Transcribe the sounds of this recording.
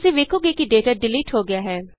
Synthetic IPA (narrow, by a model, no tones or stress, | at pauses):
seʋeːkʰoːɡeːkiɖeːʈaːɖɪliːʈɦoːɡɪjaːɦɛː